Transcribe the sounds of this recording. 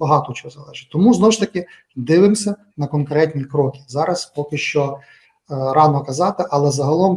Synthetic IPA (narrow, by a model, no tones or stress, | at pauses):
bɐɦɑt̪ɔt͡ʃɔɦɔzɐlˠɛʒɪtʲt̪ɔmuznɔwʃt̪ɐkʲɪ | d̪ɪʋɪmsʲɐ | nɐkɔnkɾɛtʲnʲikɾɔkʲɪzɑɾɐspɔkɪʃt͡ʃɔ | ɾɑnɔkɐzɑt̪ɪʔɐlˠɛzɐɦɐlˠɔm